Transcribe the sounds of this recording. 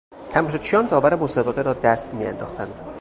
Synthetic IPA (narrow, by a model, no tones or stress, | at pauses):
t̪ʰæmɔʃot͡ʃʰijɒːnd̪ɒːvæɾemosɒːbe̞ɣeɾɒːd̪æst̪miːæ̰nd̪ɒːxt̪ʰænd̪